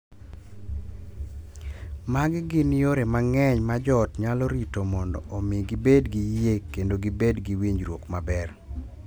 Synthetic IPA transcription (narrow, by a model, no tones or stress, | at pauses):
maɡɪɡɪnjoɾemaŋɛɲmad͡ʒɔtɲalɔɾitomɔndɔ̰ʔɔmɪɡɪbedɡijekːendoɡɪbedɡiwiɲd͡ʒɾwokmabɛr